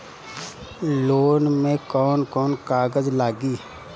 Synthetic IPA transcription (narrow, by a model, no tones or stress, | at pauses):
loːnmẽkɔːnkɔːnkaːɡəzlaːɡiː